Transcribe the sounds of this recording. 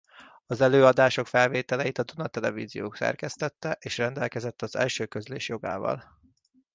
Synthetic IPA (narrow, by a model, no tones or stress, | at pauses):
ɒzɛløːɒd̪aːʃo̞kfɛlveːt̪ɛlɛjit̪ɒd̪unɒt̪ɛlɛvḭːzijoːksɛ̰rkɛst̪ɛt̪ːɛʔeːʃrɛnd̪ɛlkɛzɛt̪ːɒzɛ̰lʃøːkø̞zleːʃjo̞ɡa̰ːvɒ̰l